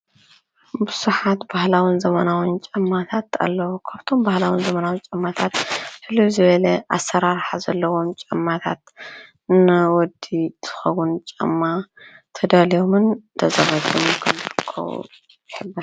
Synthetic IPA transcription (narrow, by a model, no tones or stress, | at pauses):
bɨz̥uħat̪bahlawinzɐmɐnawint͡ʃʼɐmːat̪ʰat̪a̰lːɐwukʰɐɾt̪ʰombahlawinzɐmɐnawɨnt͡ʃʼɐmːat̪ʰat̪hɨluzɨβɐlɐʔasːɐɾaɾħazɐlːɐwo̞mt͡ʃʼɐmːat̪ʰa̰t̪ | nɐwɔd̪it̪ʰɨ̥xɐwunt͡ʃʼɐ̰mːat̪ʰɐd̪alijomɨnt̪ʰɐzɐβɐt̪ːumkʰɐmzɨɾɨkʰːɐ̰wṵ | jħɨbːɐ